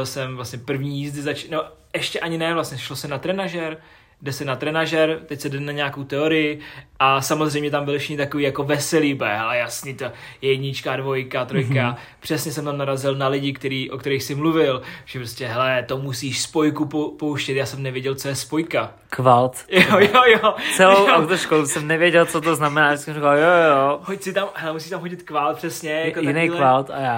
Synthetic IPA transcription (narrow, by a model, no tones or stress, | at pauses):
lsɛmvlasɲɛpr̩vɲiːjiːzdɪzat͡ʃnɛbo | ɛʃcɛʔaɲɪnɛvlasɲɛʃlosɛnat̪ɾɛnaʒɛɾ | dɛsɛnat̪ɾɛnaʒɛɾt̪ɛcsɛdɛnaɲɛako̞wt̪ɛo̞ɾɪjɪʔasamozr̝ɛjmɲɛt̪ambɪlfʃɪ̥xnɪt̪akoviːjakovɛsɛlibɛɦɛlɛjasniːt̪ojɛjɛɟɲɪt͡ʃkaːdvo̞jkat̪ɾojka | pr̝̥ɛsɲɛsɛmt̪amnaɾazɪlnalɪɟɪkt̪ɛɾiːʔo̞kt̪ɛɾixsɪmluvɪlʒ̥ɛpɾoscɛɦɛlɛt̪omusiːʃspo̞jkupopowʃcɛt̪jaːsɛmnɛvjɛɟɛlt͡so̞jɛspo̞jka | kvalt̪jojojot͡st͡sɛlowawt̪oʃkolusɛmnɛvjɛɟɛlt͡sot̪oznamɛnaːjssɛmɾikaljojohoc̚sɪt̪amɦɛlɛmusiːʃt̪amɦoɟɪt̪kvalt̪̚pr̥ɛsɲɛjakot̪aɪnejkvalt̪ajaː